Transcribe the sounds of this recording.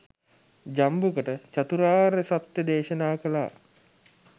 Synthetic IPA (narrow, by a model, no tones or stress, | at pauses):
d͡ʒambukəʈət͡ɕat̪uɾaːɾesat̪jəd̪eːʃənaːkəla̰ː